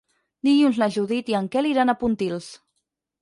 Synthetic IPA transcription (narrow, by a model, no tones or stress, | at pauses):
d̪iɣunznaʒuðit̪iəŋkɛliɾanapunt̪ilˠs